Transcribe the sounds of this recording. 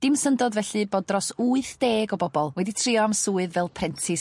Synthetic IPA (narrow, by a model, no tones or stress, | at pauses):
d̥ɪmsəndɔdvɛɬɨbɔdrɔsuɨθd̥eːɡɔbɔbɔlˠwɛditʰrɪɔamsuːɨðvɛlˠpʰrɛntʰɪ